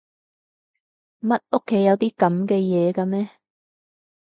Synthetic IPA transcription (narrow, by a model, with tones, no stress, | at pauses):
mɐ˥t̚o˥kʰːe˨˥jɐ˨˧wt̪iː˥kɐ˨˥mkɛː˧jɛː˨˧kaː˧mɛː˥